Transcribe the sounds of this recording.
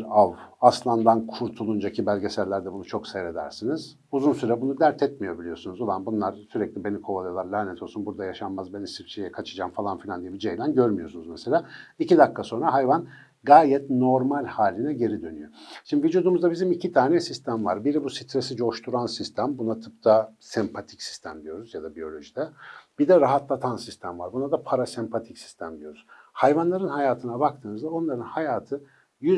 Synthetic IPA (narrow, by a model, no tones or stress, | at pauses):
avaslˠand̪ankʰuɾt̪ʰulˠund͡ʒacʰibælʲɟesæɾlʲæɾd̪ɛbunut͡ʃʰo̞ksejɾe̞d̪æ̰ɾsiniz̥ | uzunsyɾɛbunud̪æɾt̪ʰɛt̪̚mijo̞bilʲijo̞sunuzolˠambunlˠaɾsyɾɛclʲibe̞nikʰo̞valˠajolˠaɾlʲaːnɛt̪ʰolˠsunbuɾd̪ajaʃanmazbenisift͡ʃʰejɛkʰat͡ʃʰɯd͡ʒamfalˠanfilʲand̪ijebid͡ʒejlʲænɟøɾmyjo̞sunuzmeselʲaːicid̪akʰːaso̞nɾaɦajvan | ɡaːjɛt̪no̞ɾmalʲhaːlʲinɛɟe̞ɾid̪ø̞ny̰joʃimd̪ivid͡ʒuːd̪umuzd̪abizimicʰit̪ʰaːnɛsist̪ʰæmva̰ɾbiɾibusit̪ʰɾesid͡ʒo̞ʃt̪ʰuɾansist̪ʰæmbunat̪ʰɯpt̪ʰasɛmpʰat̪ʰi̥csi̥st̪ʰæmd̪ijo̞ɾuzjad̪abijo̞lʲo̞ʒid̪ɛb̥id̪ɛɾaɦat̪lˠat̪ʰansist̪ʰæmva̰ɾbunad̪apʰaɾasɛmpʰat̪ʰicsi̥st̪ʰæmd̪ijo̞ɾuz̥ | hajvanlˠaɾɯnhajaːt̪ʰɯnabak̚t̪ʰɯːnɯzd̪ao̞nlˠaɾɯnhajaːt̪ʰɯ | jy